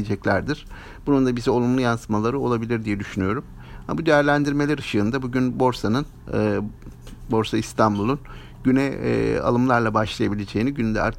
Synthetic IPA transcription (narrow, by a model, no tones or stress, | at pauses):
d͡ʒɛclʲæɾd̪iɾ̥ | b̥unund̪abizio̞lˠumlˠujansɯmalˠaɾɯo̞lˠabilʲiɾd̪ijɛd̪yʃynyjo̞ɾum | ham̰bud̪ejæɾlʲænd̪iɾmelʲæɾɯʃɯːnd̪abuɟynbo̞ɾsanɯnː | bo̞ɾsaist̪ʰanbulˠun | ɟynɛ̰a̰lˠɯmlˠaɾlˠabaʃlˠajabilʲed͡ʒejːniɟynynd̪ɛa̰ɾt̪ʰ